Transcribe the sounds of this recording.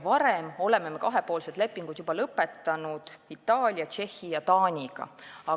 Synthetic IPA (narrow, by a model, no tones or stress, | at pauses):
vɑɾe̞mo̞le̞me̞me̞kɑɦe̞po̞ːlse̞d̪̥lepːiŋɡ̥ud̪̥jubɑlɤpːe̞t̪ːɑnud̪̥it̪ːˑɑːlʲjɑt͡ʃe̞hːijɑt̪ɑːnʲiɡ̥ɑ̰ɑ